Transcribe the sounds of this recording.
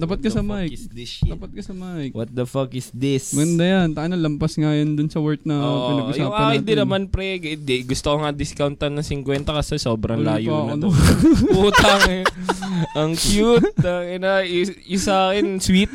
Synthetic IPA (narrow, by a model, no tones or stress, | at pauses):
aːpɐt̪̚kɐsɐmajk̚sd̪ɪaːpɐt̪̚kɐsɐmajkwɐt̪̚d̪ɐfɐkɪsd̪ɪsmɐɡɐnd̪ajɐnt̪aʔanɐlɐmpɐsŋajond̪ʊnsɐwɛɹt̪̚nɐʔpɪnaɐɡʊsaːŋaɐkɪnd̪ɪnːɐmanpɾɛɡd̪ɡʊst̪okoŋɐd̪ɪskawnt̪ɐnɐŋsɪŋkwɛnt̪ɐkɐsɛsoːbɾɐŋlaːjɐonpuːt̪ɐŋ | ʔɐŋkjut̪̚ːɐŋɪnaɪ | ɪsaːkɛnswit̪̚